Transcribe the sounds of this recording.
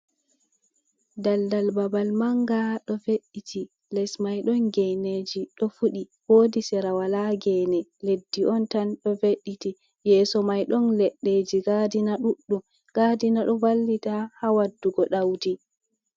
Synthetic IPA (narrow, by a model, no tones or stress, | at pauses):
daldalbabalmaŋɡaɗɔfeɗːitʰi | lɛsmajɗɔnɡɛjned͡ʒiɗɔfuɗihoːdisɛɾawalaɡɛnɛledːiʔɔntanɗɔfeɗːiti | jɛːsɔmajɗɔnlɛɗːed͡ʒiɡadinaɗuɗːum | ɡ̥adinaɗɔvalːitahawadːuɡɔɗawdi